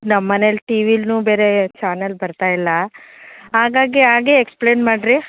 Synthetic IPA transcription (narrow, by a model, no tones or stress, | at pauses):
nɐmːɐnelʈiːʋiːlnuːbe̞ːɾet͡ʃaːnɐlbɐɾt̪aːjilːɐ | ɦaːɡaːɡiɦaːɡiekspleːnmaːɖɾi